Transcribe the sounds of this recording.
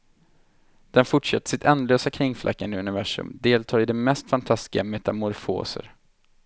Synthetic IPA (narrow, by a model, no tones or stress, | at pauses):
d̪̥ɛnfʊʈʂɛt̪ːə̥ʂɪt̪ʰɛnløːsakʰɾɪŋːfla̰kːand̪əɵnɪvæʂɵ̰md̪eːlt̪ʰɑːɾɪd̪ɛmɛst̪fant̪ʰast̪ɪɡamɛt̪amɔɾfo̰ːsə̰ɾ